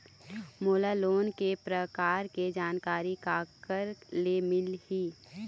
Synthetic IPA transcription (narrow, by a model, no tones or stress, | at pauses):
moːlaloːnkepɾəkaːɾked͡ʒaːnkaːɾikaːkəɾlemɪlhiː